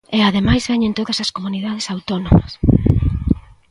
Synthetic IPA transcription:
eaðemajzβɛɲẽnt̪oðɐsɐskomuniðað̞esawt̪onomɐ̰s

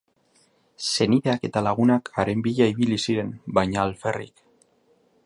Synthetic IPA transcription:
se̞niðe̞ake̞t̪alaɣ̞unakʰaɾe̞mbiʎaiβilisiɾe̞mbajɲaːlferḭk

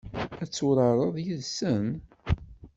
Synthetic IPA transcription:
æt͡sːʊɾɑɾˤəðˤjiðsən

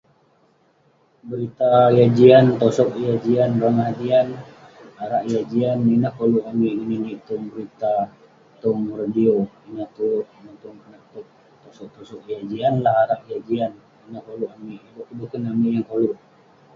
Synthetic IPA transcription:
bəɾit̪ajad͡ʒiant̪ɔsɔkjad͡ʒianɾaŋaɦadian | aɾaʔjad͡ʒianːinahkoluʔamiʔɡininit̪ʊŋbəɾit̪a | t̪ɔŋradioinaht̪uinat̪ɔŋpənak̚t̪ʊk̚ | t̪osɔk̚t̪ɔsɔk̚jad͡ʒianlahaɾaʔjad͡ʒian | inahkoluʔamiʔbukudukanamiʔjaŋkoluʔ

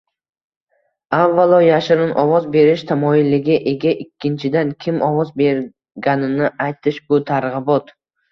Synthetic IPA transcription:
avːalˠɒjaʃɪɾɪnʔɒvɒzbe̞ɾɪʃt̪ʰamɒɪlːɪɡʲɪʔe̞ɡʲaʔɪkʲʰːɪnt͡ʃʰɪd̪ankʲʰɪmʔɒvɒzbe̞ɾ | ɡʲanɪnɪajt̪ʰɪʃbʊt̪ʰaɾʁɨbɒt̪

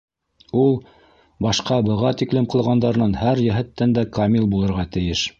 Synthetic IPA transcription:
ulˠ | bɑʃqɑbɤ̆ʁɑt̪iklɘmqɤ̆lˠʁɑnd̪ɑɾnɤnhæɾjæ̆ɦɘ̆t̪ːænd̪ækamʲilˠbulˠɤ̆ɾʁɑt̪ɘ̆jɘʃ

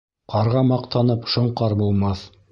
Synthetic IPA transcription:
qɑɾʁɑmɑqt̪ɑnɤpʃŏɴqɑɾbulˠmɑθ

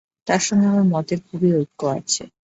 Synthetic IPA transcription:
t̪aɾʃɔŋɡeɦoemɔt̪eɾkʰubiojk̚kːoa̰t͡ɕʰḛ

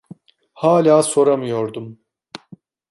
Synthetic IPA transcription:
haːlʲaːso̞ɾamɯjo̞ɾd̪um

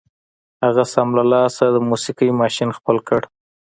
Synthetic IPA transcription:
haɣasamlalɑsad̪əmusikəjmɑʃinxpəlkəɽ

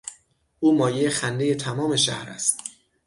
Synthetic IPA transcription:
ʔuːmɒːjejexænd̪e̞je̞t̪ʰæmɒːme̞ʃæhɾæ̰st̪̚

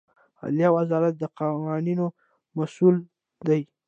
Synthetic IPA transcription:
a̰lijɑwazɑɾat̪̚d̪əqawɑnino | masul | d̪aj

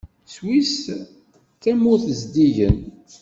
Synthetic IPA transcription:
swis | kæmʊθəzd̪iʝə̰n

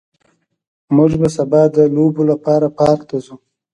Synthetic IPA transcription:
mʊʒbasabɑd̪əlobolapɑɾapɑɾt̪azu

